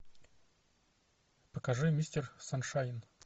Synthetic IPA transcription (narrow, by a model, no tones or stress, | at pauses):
pəkɐʐɨmʲisʲtʲɪrsanʂajɪn